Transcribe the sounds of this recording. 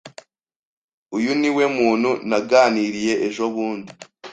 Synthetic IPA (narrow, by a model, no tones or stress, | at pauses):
ujuniwe̞muːn̤unaɡaːniɾije̞ʔeʒo̞βuːndi